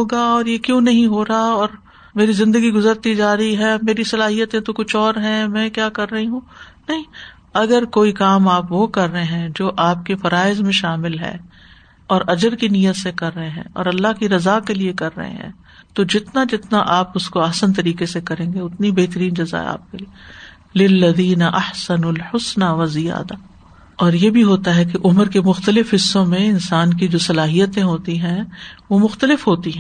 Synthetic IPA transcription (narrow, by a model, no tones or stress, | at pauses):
ɦoːɡaɔːɾjekjõːnɐɦĩɦoːɾɐaɔːɾ | meːɾizɪ̃nd̪əɡiɡʊzəɾt̪id͡ʒaːɾəiɦɛːmeːɾisɐlaːɦijət̪ẽt̪okʊt͡ʃʰɔːɾɦɛ̃mɛ̃kjaːkɐɾːɐɦĩɦũːnɐɦĩː | ɐɡəɾkoːikaːmaːpʋokɐɾːəɦẽɦɛ̃d͡ʒoːʔaːp̚kefɐɾaːɪzmẽʃaːmɪlɦɛ̰ː | ɔːɾɐd͡ʒəɾkinijət̪sekɐɾːɐɦẽɦɛ̰̃ɔ̰ːɾɐlːaɦkiɾɐzakeliekɐɾːɐ̰ɦḛ̃ɦɛ̰̃ː | t̪od͡ʒɪt̪nad͡ʒɪt̪naʔaːpʊskoɐhsənt̪ɐɾiːkesekɐɾẽːɡeʊt̪nibeːɦt̪əɾiːnd͡ʒɐza̰ɛ̰a̰ːp̚kelie | lɪlːɐðiːnɐʔɐħsɐnulħʊsnaʋɐzɪja̰ːd̪a | ɔːɾjebʱiɦoːt̪aɦɛkeʔʊmɾkemʊxt̪əlɪfɦɪsːõmẽɪnsaːnk̬id͡ʒoːsɐlaːɦijət̪ẽɦoːt̪iɦɛ̃ʋomʊxt̪əlɪfɦoːt̪iɦɛ̃ː